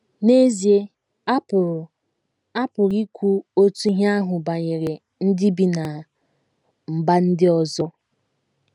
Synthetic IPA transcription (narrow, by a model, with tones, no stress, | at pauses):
ne˦zi˨e˦˨ | a˦pʊ˨ɾi˦kʷu˦o˦tu˦ɦa˦ɦʊ˨ba˨ɲe˨ɾe˨ | n̩˦dɪ˦bi˨na˨ | m̩˨ba˦n̩˦dɪ˦ɔ˨zɔ˦